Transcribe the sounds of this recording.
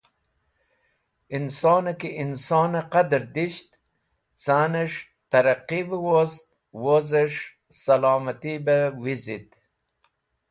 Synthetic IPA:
insɑːnakeʔinsɑːnaqad̪ɾd̪iʃt̪ | saːneʂ | t̪ɐɾaqibəwozt̪̚ | wozeʂ | sɐlɑːmɐt̪ibewizit̪

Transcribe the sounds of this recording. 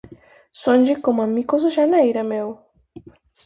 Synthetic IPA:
sond͡ʒekomamːikos̬oʃanajɾamew

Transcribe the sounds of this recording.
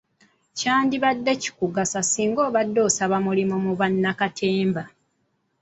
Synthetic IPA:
caːndiβadːe̞ci̥kuɡasasiːŋɡo̞ːβadːo̞ːsaβamulimomuβanːakatʰe̞ːmba

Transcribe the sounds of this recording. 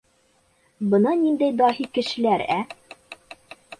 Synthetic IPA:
bɤ̆nɤnind̪æjd̪ɑhikɘ̆ʃɘ̆læɾæ

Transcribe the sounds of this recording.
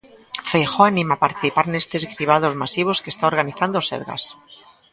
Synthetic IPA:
fejxoanĩmapaɾt̪iθipaɾnest̪ezɣɾiβ̞að̞o̞zmasiβ̞oskest̪aoɾɣaniθand̪oseɾɣa̰s

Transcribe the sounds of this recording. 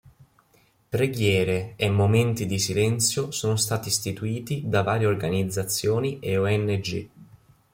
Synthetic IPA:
pɾeɡjɛːɾeːmːoment̪id̪isilɛnt̪sjosoːnost̪aːt̪ist̪it̪uiːt̪id̪avaːɾjeorɡanid̪zːat̪sːjoːniʔeoɛnːed͡ʒḭ

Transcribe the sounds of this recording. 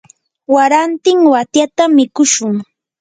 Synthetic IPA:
waɾant̪ɪŋwat̪jat̪amɪkʊʃʊŋ

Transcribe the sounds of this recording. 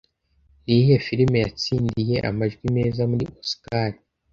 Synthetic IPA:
nihe̞fiɾime̞jat͡siːndije̞ʔa̰maʒɡwime̞ːzamuɾiʔoskaɾi

